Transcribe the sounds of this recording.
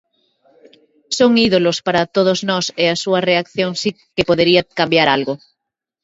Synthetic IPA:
soŋiðolospaɾat̪oð̞oznɔseasuareakθjoŋsi | kepoðeɾiakambjaɾalɣo

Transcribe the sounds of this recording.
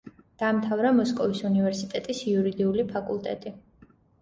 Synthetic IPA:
d̪̥aːmt̪ʰavɾamɔskʼɔvisunivɛɾsit̪ʼɛt̪ʼisiuɾid̪iulipʰakʼulˠt̪ʼɛ̰t̪ʼi

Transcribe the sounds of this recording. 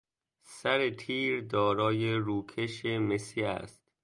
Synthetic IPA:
sæɾet̪ʰiːɾd̪ɒːɾɒːjeɾuːkʰeʃemesiæ̰st̪

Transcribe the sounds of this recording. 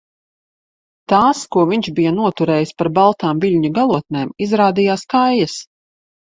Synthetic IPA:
t̪aːskuɔviɲʃbijɐnuɔt̪uɾɛːjispaɾbalˠt̪aːmvilʲɲuɡalˠuɔt̪̚neːmizɾaːd̪ijaːskajːɐs

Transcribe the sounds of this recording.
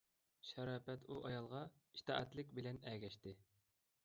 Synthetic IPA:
ʃɛɾɑːpɛt̪uʔɑjɑlˠʁɑi̥ʃt̪ʰɑ̰ːʔɛt̪lɪkʲbɪlɛnɛɡʲɛʃt̪ɪ

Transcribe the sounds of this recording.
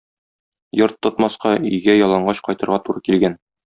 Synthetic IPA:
jɤɾt̪ːŏt̪mɑsqɑijɡæjɒlˠɑɴɢɑɕqɒjt̪ɤ̆ɾʁɑt̪uɾɤkilɡæn

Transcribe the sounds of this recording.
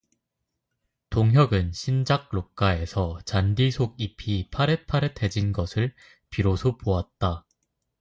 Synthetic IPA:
toŋɦjʌɡɯnɕʰind͡ʑak̚ɭok͈ae̞sʰʌt͡ɕandisʰoɡ̚ipʰipʰaɾe̞pʰaɾetʰe̞d͡ʑinɡʌsʰɯɭ | piɾosʰopoat̚t͈a

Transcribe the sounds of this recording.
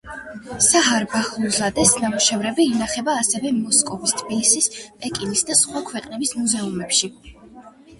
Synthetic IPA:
saɦaɾbaχuzlad̪ɛsnamuʃɛvɾɛbiːnaχɛbaːsɛvɛmɔskʼɔvist̪ʰbilisispʼɛkʼinisd̪asχwakʰwɛqʼnɛbismuzɛumɛpʃi

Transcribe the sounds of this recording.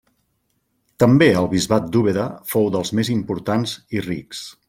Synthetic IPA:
t̪əmbeəlˠβizβat̪̚d̪uβeðəfowðəlˠzmezimpuɾt̪anzirḭks

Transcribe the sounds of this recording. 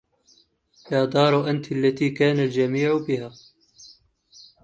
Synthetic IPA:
jaːd̪ˤɑːɾˤʔant̪lːat̪iːkaːnald͡ʒamiːʕbɪhaː

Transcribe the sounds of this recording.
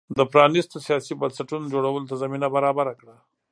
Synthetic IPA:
d̪əpɾɑnist̪osijɑsibansaʈunod͡ʒoɽawəlot̪azaminabaɾɑbaɾakɽa

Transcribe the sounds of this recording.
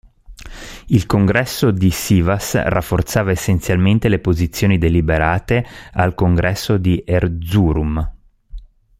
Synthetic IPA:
ilkoŋɡɾɛsːod̪isiːvasra̰fːort̪saːvaesːent̪sjalment̪elepozit̪sːjoːnid̪elibeɾaːt̪ealkoŋɡɾɛsːod̪iʔerd̪zuɾum

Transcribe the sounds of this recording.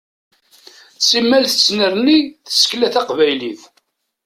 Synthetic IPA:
t͡sːimːælθət͡sːnəɾniθə̥sklæθæqvæjliθ

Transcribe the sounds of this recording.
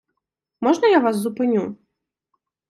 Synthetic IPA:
mɔʐnɐjavas̬zupɪnʲu

